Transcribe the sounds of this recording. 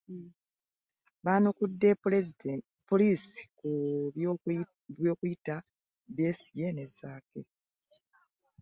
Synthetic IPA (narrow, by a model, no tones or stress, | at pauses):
βaːnokudːe̞ | poliːsi̥ku | βjoːkujita | bje̞ːsi̥jenezaːke